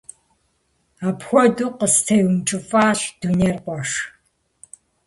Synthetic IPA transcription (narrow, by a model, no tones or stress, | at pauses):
aːpxʷɔduːqəstʰɐwnt͡ʃʼɪfʼaːɬd̥uneːrqʷɔʂ